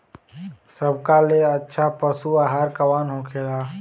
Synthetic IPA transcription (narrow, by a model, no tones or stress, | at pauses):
səb̚ʱkaleətːʃʰapəsuaːɦaːɾkɐwaːnɦõːkʰeːɾaː